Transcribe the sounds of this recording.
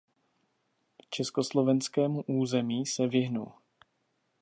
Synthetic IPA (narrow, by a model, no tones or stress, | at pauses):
t͡ʃɛsko̞slo̞vɛnskɛːmuʔuːzɛmiːsɛvɪɦnṵl